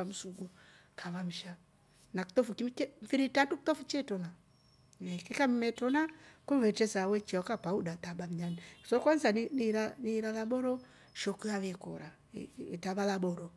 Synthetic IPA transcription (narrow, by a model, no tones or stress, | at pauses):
am̩usuɡu | kʰaβam̩ʃa | naku̥t̪ɔfukit͡ʃɛmfiɾitatuki̥t̪ɔfut͡ʃɛtɔna | ɛkɛkammɛtɔnakuvɛt͡ʃɛsawɛt͡ʃiakapaudat̪aɓam̩ɲanisɔkwanzaniniɾaniɾalaɓɔɾɔ | ʃɔkuaβɛkɔ̰ɾa | itaβalabɔɾɔ